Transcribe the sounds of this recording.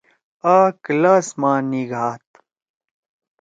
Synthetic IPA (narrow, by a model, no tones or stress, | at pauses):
aːklaːsmaːniɡʱaːt̪